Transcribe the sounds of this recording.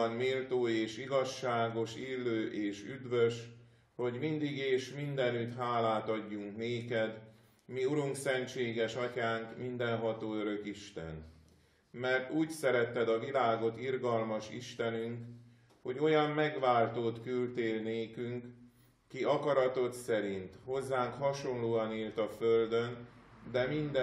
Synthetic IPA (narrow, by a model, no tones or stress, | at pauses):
nmiːlt̪oːeːʃiɡɒʃːaːɡo̞ʃiːlːøːʔeːʃyd̪ʋø̞ʃ | ho̞ɟmind̪iɡeːʃmind̪ɛnyt̪ɦaːlaːt̪ɒɟːuŋkneːkɛd̪ | miuɾuŋksɛnt͡ʃeːɡɛʃɒcaːŋkmind̪ɛnɦɒt̪oːøɾø̞kiʃt̪ɛ̰n | mɛrt̪uːcsɛɾɛt̪ːɛd̪ɒvilaːɡo̞t̪irɡɒlmɒʃḭʃt̪ɛnyŋk | ho̞ɟo̞jɒmːɛɡʋaːlt̪oːt̪kylt̪eːlneːkyŋk | kiʔɒkɒɾɒt̪o̞t̪sɛɾint̪ho̞zːaːŋkhɒʃo̞nloːɒniːlt̪ɒføld̪ø̞nd̪ɛmind̪ɛ